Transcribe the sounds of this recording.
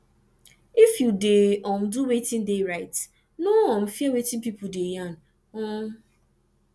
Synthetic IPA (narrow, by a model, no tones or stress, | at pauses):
ifjudeɔm̩duwetɪ̃n̩deɾaɪt | noɔm̩fiawetɪ̃n̩pipʊdejan̩ | ɔ